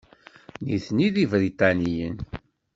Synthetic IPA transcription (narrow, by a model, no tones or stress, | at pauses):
niθniðivɾit̪ɑnijə̰n